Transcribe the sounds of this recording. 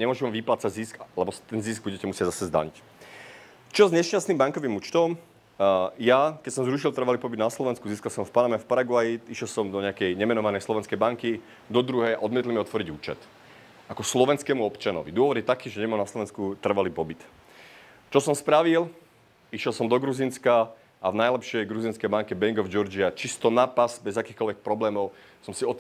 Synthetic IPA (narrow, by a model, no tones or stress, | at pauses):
ɲɛmʊɔʒɛmɛʋiplaːt͡saɟzisklɛbɔt̪ɛnzisɡ̚buɟɛcɛmusɪaɟzasɛzd̪a̰ɲic | t͡ʃɔzɲɛsʃt͡ʃastniːmbaŋkɔʋiːmuːt͡ʃt̪ɔm | jakɛcsɔmzɾuʃilˠt̪r̩ʋaliːpɔbid̪naslɔʋɛnskuziːskalsɔmfpanamɛfpaɾaɡʊajiiʃjɛlsɔmd̪ɔɲɛakɛjɲɛmɛnɔʋanɛjslɔʋɛnskɛjbaŋki | d̪ɔd̪ɾuɦɛja̰ʔɔd̪mɪɛt̪limiɔt̪ʋɔɾiɟuːt͡ʃɛ̰t̪ | akɔslɔʋɛnskɛːmuɔpt͡ʃanɔ̰ʋid̪ʊɔʋɔd̪jɛt̪akiːʒɛɲɛmalnaslɔʋɛnskut̪r̩ʋaliːpɔbit̪ | t͡ʃɔsɔmspɾaʋil | iʃjɛlsɔmd̪ɔɡɾuzinska | ʔavnajlɛpʃɪɛjɡɾuzinskɛjbaŋkɛbɛŋɡɔvd͡ʒɔɾd͡ʒiat͡ʃist̪ɔnapazbɛzakiːxkɔlʋɛk̚pɾɔblɛːmɔʊ | sɔmsiɔ